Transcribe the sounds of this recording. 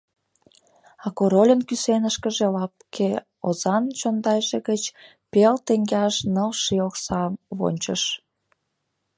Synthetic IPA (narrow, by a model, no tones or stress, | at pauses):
ɑkoɾolʲənkysenəʃkəʒelɑp̚kʰe | ozɑnt͡ɕond̪ɑjʒeɣət͡ɕ | pelt̪eŋɡɑʃnəlʃioksɑβo̰nʲt͡ɕəʃ